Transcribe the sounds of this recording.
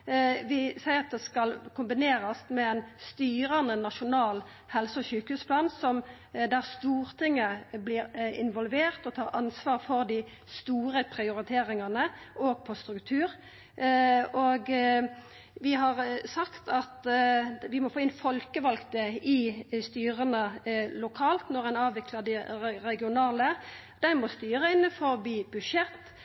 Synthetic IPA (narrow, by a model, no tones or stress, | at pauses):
ʋɪsæɪʁɑt̪̚d̪ɛskɑlkʰʊmbɪneːʁɑsmɛɛnst̪yːɾɑnənːɑʃʊnɑːl | hɛlsəɔçʉːkəhʉːspʰlɑːnsɔm | d̪æʁst̪uːʁt̪ʰɪŋːəblɪːɾɪnʋɔlʋeːʁt̪ɔt̪ʰɑːʁɑnsʋɑːʁfɔʁd̪ɪ | st̪uːɾəpʰɾɪʊɾɪt̪ʰeːɾɪŋɑnəʔoːɡ̚pʰɔst̪ɾʉkt̪ʰʉːɾ | oːɡ | ʋɪɦɑʁsɑkt̪ʰɑt̪ʋɪmɔfoːɪnfɔlkəʋɑlɡt̪əɪst̪yːʁənəlʊkʰɑːlt̪nɔʁɛnɑːʋʋɪkləd̪ɪʁɛɡɪʊnɑːlə | d̪̥æɪmɔst̪yːɾəɪnːəfɔbiːbʉʂɛt̪ː